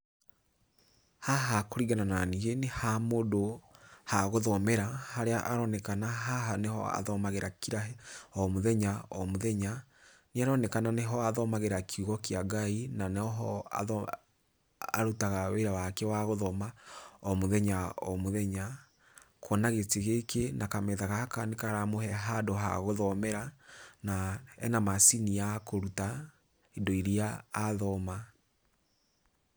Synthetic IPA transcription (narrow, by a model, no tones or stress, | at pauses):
haɦakoɾiɣanananiɣenehamodohaɣoðɔmɛɾahaɾeaʔaɾɔnɛkanaɦaɦanehɔ̰a̰ðɔmaɣeɾakiɾaɦɛɔmoðɛɲaɔmoðɛɲa | neaɾɔnɛkananeɦɔaðɔmaɣeɾakʰiuɣɔkiaɡainanɔɦɔa̰ | a̰ɾutaɣaweɾawakɛwaɣoðɔmaɔmoðɛɲaɔmoðɛɲa | kɔnaɣeteɣekenakamɛðaɣahakanekaɾamohɛɦadoɦa̰ɣoðɔmɛɾanaɛ̰namasiniakoɾuta | edoiɾiaːðɔma